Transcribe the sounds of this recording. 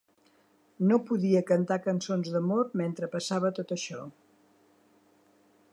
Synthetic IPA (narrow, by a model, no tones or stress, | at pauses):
nopuðiəkənt̪akənsonzðəmoɾment̪ɾəpəsaβət̪ot̪əʃɔ